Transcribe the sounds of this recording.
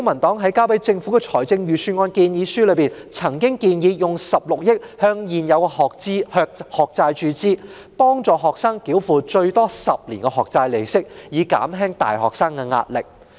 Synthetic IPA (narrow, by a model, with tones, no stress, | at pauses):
kʊ˥ŋmɐ˨˩nt̪ɔː˨˥ŋɦɐ˨˥jkaː˥wpɐ˨˥jt͡sɪ˧ŋfu˨˥kɛ˧t͡sʰɔː˨˩jt͡sɪ˧ŋjyː˨˩syː˧nŋɔː˧nkiː˧njiː˨˧syː˥lɵ˨˧piː˨˩nt͡sʰɐ˨˩ŋkɪ˥ŋkiː˧njiː˨˧jʊ˨ŋsɐ˨p̚lʊ˨k̚jɪ˥k̚hœː˧ŋjiː˨njɐ˨˧wkɛ˧hɔ˨kt͡si˥hœː˧k̚hɔː˨k̚t͡saː˧jt͡ʃyː˨˧t͡siː˥ | pɔː˥ŋt͡sɔː˨˧ɦɔː˨k̚saː˥ŋkiː˨˥wfuː˨t͡ʃɵ˧ɥt̪ɔː˥sɐ˨p̚liː˨˩nkɛ˧ɦɔː˨˩k̚t͡saː˧jle˨jsɪ˥k̚jiː˨˧ka̰ː˨˥mɦɛː˥ŋt̪a̰ː˨jɦɔ̰ː˨k̚saː˥ŋkɛ˧ŋa̰ː˧t̚lɪ̰˨˩k̚